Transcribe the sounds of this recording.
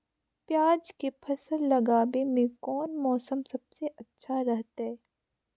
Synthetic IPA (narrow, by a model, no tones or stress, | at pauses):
pjaːd͡ʒkepʰɐsəlːɐɡaːbemẽkɔːnmɔːsəmsɐbseʔɐtːʃʰaɾɐɦt̪ɦɛː